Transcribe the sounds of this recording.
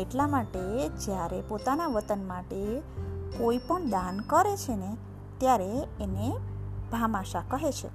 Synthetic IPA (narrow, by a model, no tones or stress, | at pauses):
eʈlamaʈed͡ʒjaɾepot̪anaʋət̪ənmaʈekoipəɳd̪ankəɾet͡ʃʰene | t̪jaɾeːneb̥ʱamaʃakəɦet͡ʃʰḛ